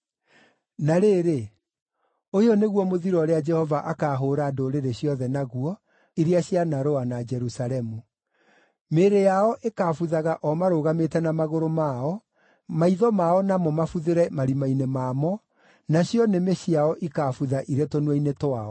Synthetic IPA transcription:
naɾeːɾe | ojɔneɣwɔmoðiɾɔɾead͡ʒɛhɔvaʔakaːɦoɾadoɾeɾeɕjɔðɛnaɣuɔ | iɾiaɕjanaɾoanad͡ʒɛɾusaɾɛmu | meːɾejaɔʔekaːfuðaɣaʔɔmaɾoːɣametɛnamaɣoɾomaɔ | maiðɔmaɔnamɔmafuðeɾɛmaɾimainemaːmɔ | naɕjɔnemeɕiaɔʔikafuðaʔiɾetonuɛinetwaɔ

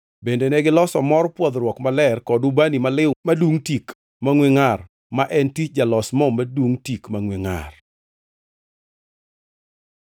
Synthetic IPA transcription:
bendenɛɡɪlɔsɔmɔrpwɔd̪ɾwɔkmalɛrkɔdubanimalɪmaduŋtik | maŋweŋar | maʔɛntit͡ʃd͡ʒalɔsmɔmadwuŋtikmaŋweŋa̰r

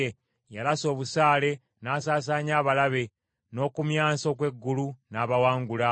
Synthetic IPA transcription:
e | jalaso̞ːβusaːle̞ | naːsaːs̬aːɲaːβalaβe̞ | no̞ːkumjaːso̞kwe̞ɡːulunaːβawaːŋɡula

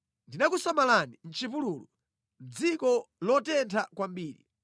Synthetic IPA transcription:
ndinakusamalanin̩t͡ʃipuluːlu | d͡zikɔlɔtɛntʰakwambiːɾḭ

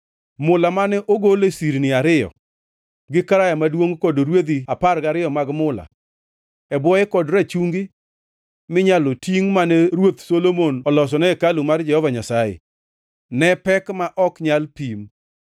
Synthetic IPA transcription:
mʊlamanɛʔoɡolesiɾnɪaɾɪjɔ̰ | ɡɪkaɾajamadwoŋkɔdoɾwed̪iaparɡaɾɪjɔmaɡmʊla̰ | ɛbwɔjɛkɔdɾat͡ʃuŋɡɪ | mɪɲalotiŋmanɛɾwot̪solomonɔlɔs̬ɔnɛkalumard͡ʒɛhɔvaɲasajḛ | nɛpɛkmaʔɔkɲalpim

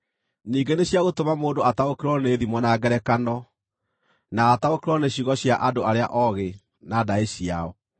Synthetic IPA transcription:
niːŋɡeneɕjaɣotomamoːndoataokeɾɔneːðimɔnaɡɛɾɛkanɔ | naːtaokeɾɔneɕiɣɔɕjaʔadoaɾea̰ʔɔɣe | nadaeɕiaɔ

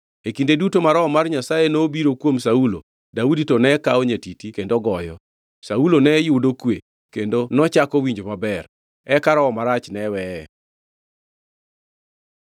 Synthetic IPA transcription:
ekindedutomaɾɔɔmarɲasajenobiɾokwomsaulo | dauditɔnɛkaoɲetitikendoɡɔjɔ̰ | saulonɛjʊdokwe | kendonɔt͡ʃakɔwiɲd͡ʒomabɛr | ɛkaɾɔɔmaɾat͡ʃnɛwɛ

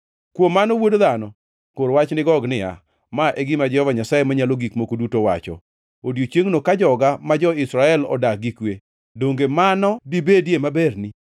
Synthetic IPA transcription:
kwomːanowodðanɔ | koɾwat͡ʃnɪɡɔɡnɪja̰ | maʔeɡɪmad͡ʒɛhɔvaɲasajemaɲaloɡikmokodutowa̰t͡ʃɔ̰ | odjot͡ʃjeŋnokad͡ʒɔɡamad͡ʒɔɪsɾaɛlɔ̰dak̚ɡikwe | doŋɡemanɔbibedjemabeɾni

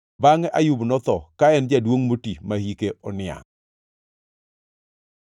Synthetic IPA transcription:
baŋɛʔajʊbnɔt̪ɔkaɛnd͡ʒadwoŋmotimahikeɔnɪa̰ŋ

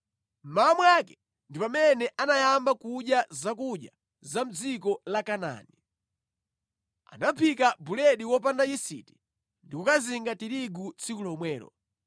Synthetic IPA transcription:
m̩mamwakɛ̥ | ndipamɛnɛʔanajambakuʄjazak̬uɗja | zam̩d͡zikɔlakana̰ni | a̰napʰikabulɛɗiwɔp̬andaisḭti̥ | ndikukaziŋɡatiɾiɡut͡sʰikulɔmwɛːɾɔ̰

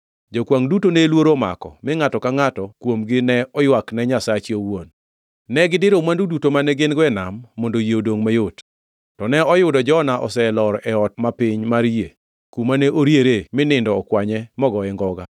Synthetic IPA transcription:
d͡ʒokwaŋdutonelwoɾoma̰kɔ̰mɪŋatɔkaŋatɔkwomɡɪnɛɔjwaknɛɲasat͡ʃiowonː | ɛɡɪdɪɾomwandudutomanɛɡɪnɡwɛnamːondojodoŋmajot | tɔnɛɔjʊdɔd͡ʒɔnaʔɔ̰sɛlɔɾɛɔtmapɪɲmaɾje | kumanɛʔoɾjeɾemɪnɪndɔːkwaɲɛmɔɡɔɛŋɡɔɡa

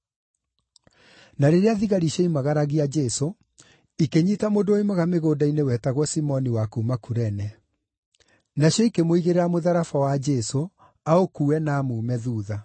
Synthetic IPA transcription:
naɾeɾeaðiɣaɾiʃɛimaɣaɾaɣiad͡ʒɛso | ikeɲitamodooimaɣameɣoːdainewɛtaɣɔsimɔniwakuːmakuɾɛnɛ | naɕjɔikemoiɣeɾeɾamoðaɾafawad͡ʒɛso | aokuɛnaːmuːmɛðuːða

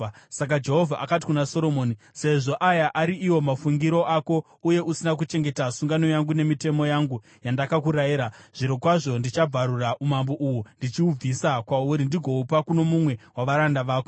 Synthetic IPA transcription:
sak̬ad͡ʒe̞ɦovʱaʔakat̬i̥kunaso̞ɾo̞moːni | se̞ʐo̞ʔajaʔaɾiʔiwo̞mafuŋɡiɾo̞ʔako̞ | uje̞ʔusinak̬ut͡ʃe̞ŋɡe̞tasuŋɡano̞jaŋɡune̞mite̞mo̞jaŋɡu | jandakakuɾajiɾaʐ̥iɾokwaʐo̞ndit͡ʃab͡vʱaɾuraʔumambo̞ʔuwundit͡ʃiub͡visakwauɾindiɡʱo̞upakuno̞mumwe̞waʋaɾandaʋaːko

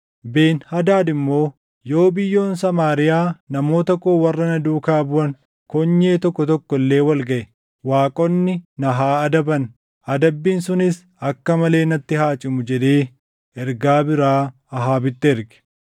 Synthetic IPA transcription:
beːnhɐd̪aːd̪ɪmːo̞ː | jo̞ːbɪjːo̞ːnsɐmaːɾɪjaːnɐmo̞ːt̪ɐkoːwɐrːɐnɐd̪uːkaːbʊʔɐn | kɔɲːe̞ːt̪ɔkːɔt̪ɔkːɔlːe̞ːwɐlɡɐʔɛ | waːkʼɔnːɪnɐɦaːɐd̪ɐbɐn | ʔɐd̪ɐbːiːnsʊnɪs | ɐkːɐmɐle̞ːnɐt̪ːɪɦaːt͡ʃʼɪmʊd͡ʒɛd̪eː | ʔɛɾɡaːbɪɾaː | ɐɦaːbɪt̪ːɪɛɾɡɛ̥

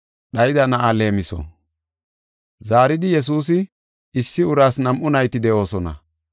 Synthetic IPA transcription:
ɗɐjɪd̪ɐnɐʔale̞ːmɪsɔ̰ | zaːɾɪd̪ɪjɛs̬uːs̬ɪ | ɪsːɪʊɾaːsnɐmʔʊnɐjt̪ɪd̪ɛʔo̞ːsɔnɐ̰

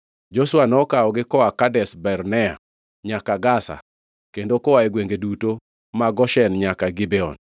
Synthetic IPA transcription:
d͡ʒoswanɔkaɔɡɪkɔakadɛsbɛɾnɛa̰ | ɲakaɡasa̰ | kendokɔwaɛɡweŋɡeduto | maɡɔʃɛnɲakaɡɪbɛɔ̰n

